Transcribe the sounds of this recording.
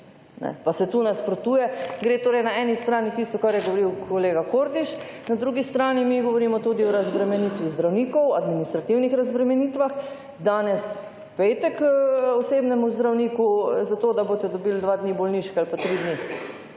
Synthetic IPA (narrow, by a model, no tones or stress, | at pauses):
nɛ̰pasɛt̪uːnɛspɾɔt̪uːjɛɡɾet̪oːɾɛjnaɛːnist̪ɾaːnit̪ist̪ɔkaɾjɛɡoʋoɾiwkʰoleːɡakoːɾd̪iʃ | nad̪ɾuɡist̪ɾaːnimiɡɔʋɔɾiːmɔt̪uːd̪iɔɾazbɾɛmɛnit̪ʋizd̪ɾawniːkɔwad̪minist̪ɾat̪iwnixɾazbɾɛmɛniːt̪ʋax | d̪aːnɛs | peːt̪ɛkɔseːbnɛmuzd̪ɾawniːkuzat̪oːd̪abot̪ɛd̪ɔbiːld̪ʋad̪nibɔlniːʃkalpat̪ɾid̪ni